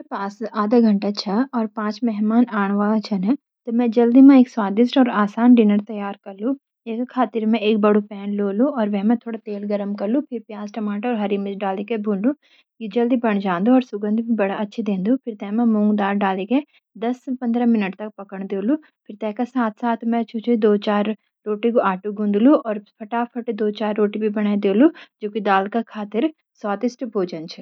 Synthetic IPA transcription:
paːsaːd̪aɡʱɐ̃ɳʈat͡ʃʰaɔːɾpãːt͡ʃmɛɦmaːnaːɳ̃ʋaːt͡ʃʰɐnɛ̃ | t̪omɛ̃d͡ʒɐld̪imẽeːkswaːd̪ɪsʈɔːɾaːsaːnɖɪnəɾt̪ɐjaːɾkɐɾlũ | ekkʰaːt̪ɪɾmẽeːk̚bɐɽupɛːnloːluɔːɾʋɛɦmẽt̪ʰoːɽat̪eːlɡɐɾəmkɐɾlũpʰɪɾpjaːzʈɐmaːʈɔːɾɦɐɾimɪt͡ʃɖaːlekebʱuːllu | jid͡ʒɐld̪ibɐɳ̃d͡ʒãːnd̪uɔːɾsʊɡə̃nd̪ʱbʱibɐɽaɐtːʃʰid̪ẽːnd̪upʰɪɾt̪ɛ̃ːmɛ̃mũːŋɡd̪aːɾɖaːleke | d̪ɐspɐ̃nd̪ɾamɪnəʈt̪ɐk̚pɐkəɳd̪eːlu | pʰɪɾt̪ɛ̃ːkasaːt̪ʰsaːt̪ʰmɛ̃t͡ʃʰʊt͡ʃʰed̪oːt͡ʃaːɾː | oːʈikoaːʈuɡũnd̪luɔːɾpʰɐʈaːpʰɐʈd̪oːt͡ʃaːɾːoːʈibʱibɐɽ̃aːid̪eːlud͡ʒoːkid̪aːlkakʰaːt̪ɪɾ | saːt̪ɪsʈbʱoːd͡ʒənt͡ʃʰu

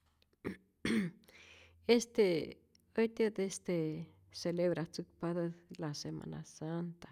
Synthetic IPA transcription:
est̪e | ot̪ed̪est̪e | selebɾat͡sukpad̪alasema̰na̰sant̪ḁ

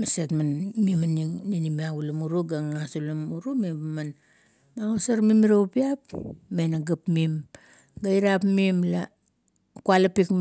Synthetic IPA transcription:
masetmanmimanninimiaɡulamuɾuɡaŋasulamuɾumimaman | maŋosaɾmimiɾaupiapme̞naɡapmim | ɡaiɾapmimla | kualapik

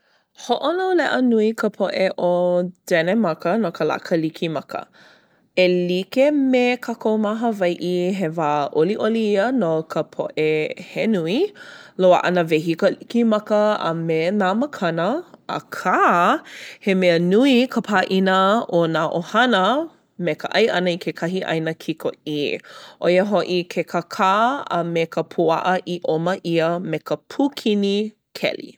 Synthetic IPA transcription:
hoʔonolɛʔənuikʰəpʰoʔeʔod̥ɛnemɐkənokʰəla̰kʰəlikʰimɐkə̰ | elikemekʰakomaɦəvɐjʔiɦevaːʔoliʔoliiənokʰəpʰo̰ʔehenuiloə̰ʔɐ̰nəveɦikəlikimɐkəə̰menaməkʰɐnəə̰kʰa | hemeənuikʰəpʰaːʔinəonaːʔohɐnə | mekəʔɐjʔɐnəikʰekʰɐɦiʔɐ̰jnəkʰikʰo̰iʔojəɦoʔikʰekʰəkʰaːə̰mekʰəpʰuɐ̰ʔəʔiʔoməʔiəmekəpʰukʰini | kʰɛ̰lḭ

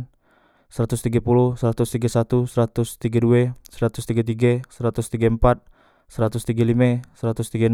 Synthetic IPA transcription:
n | səɾat̪ʊst̪iɡapuluhsəɾat̪ʊst̪iɡasat̪usəɾat̪ʊst̪iɡaduɛsəɾat̪ʊst̪iɡat̪̬iɡasəɾat̪ʊst̪iɡampat̪̚ | səɾat̪ʊst̪iɡalimɛsəɾat̪ʊst̪iɡan

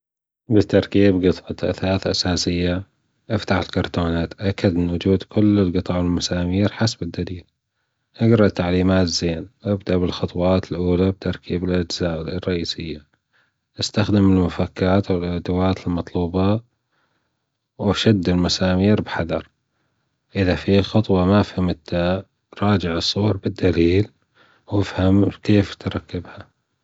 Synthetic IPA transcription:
bɪt̪ɑɾˤkiːbɡɨt̪ˤʕɑt̪ʔa̰θaːθʔasaːsɪjːa | ʔaft̪aħɪlkɑɾˤt̪oːnaːt̪ʔakːad̪ɪnwʊd͡ʒuːd̪kʰʊlːɪlɡɨt̪ˤɑʕɪlmasaːmiːɾħasbɪd̪ːaliːl | ʔaɡɾˤɑʔt̪ːaʕliːmaːt̪z̥eːnʔabd̪aʔbɪlxɑt̪ˤwɑːt̪ɪlʔuːlab̚t̪ɑɾˤkʰiːbɪlʔad͡ʒzaːrˤːɑʔiːsɪjːa | ʔast̪axd̪ɪmɪlmʊfakːaːt̪wɪlʔad̪awaːt̪ɪlmɑt̪ˤluːbɑ | waʃad̪ːɪlmasaːmiːɾbħaðɑɾˤ | ʔɪðafixʊt̪ˤwɑmaʔfhamt̪ːa | ɾˤɑːd͡ʒɪʕɨsˤːuːɾbɪd̪ːaliːl | wɪfhamkeːft̪ɾˤɑkːɪbha

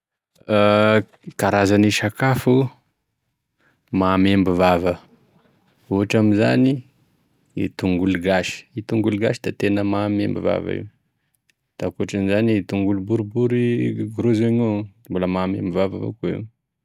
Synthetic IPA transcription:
kaɾazaniʃakafu | mamembivavə | uɦaʈ͡ʂamiza̰ni | ḭt̪uŋɡuluɡaʃi̥it̪uŋɡuluɡaʃid̪̥at̪enəmamembḭva̰va̰ḭw | d̪̥akuaʈ͡ʂanizanit̪uŋɡulubuɾubuɾiɡuɾozeɲomboləmamembivavavo̰kuḭu

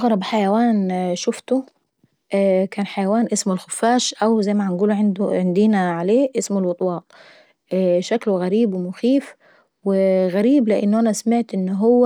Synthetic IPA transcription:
ʔɑɣɾˤɑbħajawaːnʃʊft̪ʊ | ʔkaːnħajawaːnʔɪsmɪlxʊfːaːʃʔawzajmaʕanɡuːlʕɪnd̪ʕɪnd̪iːnaʕaleːʔɪsmʊlwʊt̪ˤwɑːt̪ˤ | ʔʃaklɣaɾiːbwɪmʊxiːf | wɪɣaɾiːblɪʔɪ̰nːʊʔanasamɪʕt̪ʔɪnːɦʊwːa

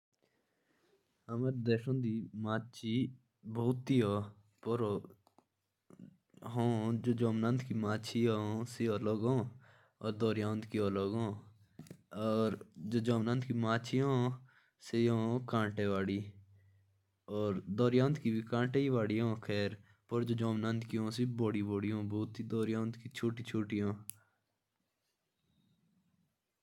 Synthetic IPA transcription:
ɦəməɾd̪eːʃõːd̪iːmaːt͡ʃʰiː | boːt̪ːiːɦoː | poɾo | ɦõːd͡ʒoːd͡ʒoːmnə̃nd̪kiːmaːt͡ʃʰiːɦoːseoːloːɡõː | ɔːɾd̪oːɾjãːnd̪kioːloɡõː | ɔːɾd͡ʒoːd͡ʒoːmnə̃nd̪kimaːt͡ʃʰiɦõː | seõkãːʈeːʋaːɽiː | ɔːɾd̪ɔːɾijãːnt̪kibikãːʈeːiʋaːɽiɦõːkʰɛːɾ | pəɾd͡ʒoːd͡ʒoːmnə̃nd̪kiɦõːsiboːɽiboːɽiõːboːt̪id̪oːɾjaːnt̪kit͡ʃʰoːʈit͡ʃʰoːʈijõː

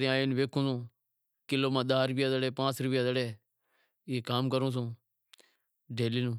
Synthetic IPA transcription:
ɾẽaːeːnʋeːkʰũːsũː | kɪloːmãːɗ̪aːɾʊpɪjaːd̪əɽeːpãːt͡sɾʊpɪjaːd̪əɽeː | ɪekaːmkəɾũːs̬ũː | ɖeːliːnũː

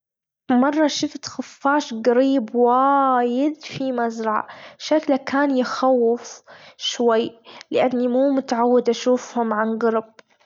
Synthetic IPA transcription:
mɑrˤːɑʃɪft̪xʊfːaːʃɡaɾiːbwajɪd̪fimazɾˤɑʕa̰ʃaklakaːnjɪxawːɪfʃwajːlɪʔanːimuːmʊt̪aʕawːɪd̪ʔaʃuːfhʊmʕanɡɑɾˤb̚

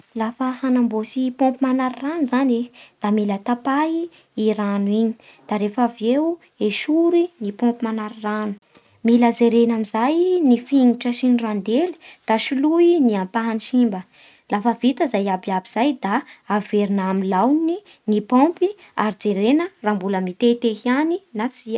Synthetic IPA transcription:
lafəhanambosipõmpimanaɾiranuzaned̪̥amilət̪apaiː | ɾanwiɲi̥ | d̪̥aɾefavew | eʃuɾinipɔ̃mpimanaɾiranu̥ | miləzeɾenamizajnifiŋuʈ͡ʂəʃinirand̪eli̥d̪̥aʃiluiniampaɦaniʃimbə | lafəvit̪əzajabiabiz̥ajd̪aːveɾunamilawni | nipõmpi | aɾid͡zeɾenərambuləmit̪et̪eɦianinat͡siə

